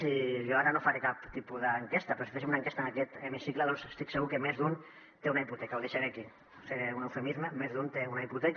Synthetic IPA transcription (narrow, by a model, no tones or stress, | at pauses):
siʒoaɾanofaɾekapt̪ipuðəːŋkest̪aɐpɾɔsi̥fesimunaəŋkest̪aənakɛt̪emisikləðɔnsest̪iksəɣukemezd̪un | t̪eunaiput̪ɛkauwðeʃeɾeki | seɾeunewfemizməmezðunt̪eunaiput̪ɛk